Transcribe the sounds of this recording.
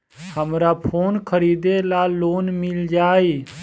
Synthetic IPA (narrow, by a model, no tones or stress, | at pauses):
həmɾapʰoːnkʰəɾiːd̪elaloːnmɪld͡ʒaːi